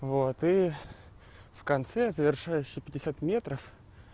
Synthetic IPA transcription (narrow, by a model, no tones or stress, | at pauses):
vot̪i | fkɐnt̪sɛzəvʲɪrʂajʉɕːɪpʲɪdʲɪsʲat̪mʲe̞t̪ɾəf